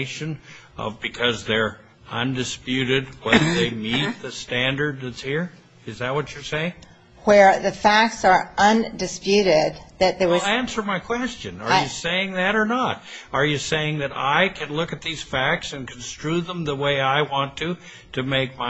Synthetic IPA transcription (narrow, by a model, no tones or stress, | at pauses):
ɪʃɨ̃n | ʌ̰vbɨkʰʌzðə˞ | ʌ̃ndɨspjʉɾɪd̚wɛðə˞ðeɪmit̪̚ðɨstæ̃ndə˞d̪̚ðɨdz̥hiɹ | ɨzðɨt̚wʌt͡ʃə˞seɪɪ̃ŋ | wə˞ðɨfæk̚tsə˞ʔʌ̃ndɨspjʉɾɪd̪̚ðɨt̪̚ðeæ̃nsə˞maɪkʰw̥ɛst͡ʃɨ̃nə˞jɨseɪɪ̃ŋðɨɾə˞nəɾə˞jɨseɪɪ̃ŋðɨɾa̰ɪkʰɨ̃nlʊkɨt̪̚ðiz̥fæk̚tsɨ̃nkʰn̩stɹ̥uðə̃mðəweɪaɪwɑ̃ntʰu | ɾɨmeɪk̚ma